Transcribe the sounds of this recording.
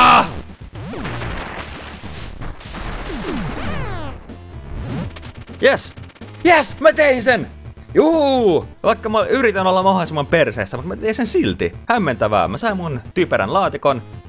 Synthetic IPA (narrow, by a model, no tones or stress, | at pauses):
ɑ | jes | jesmæt̪einsen | juːʋɑikːɑmoyɾit̪ænolːɑmɑhoˑlisimːɑmperseːst̪æmut̪mæt̪einsensilt̪ihæmːent̪æʋæ̰ːmæsɑimmunt̪ypeɾæ̰nlɑːt̪ikon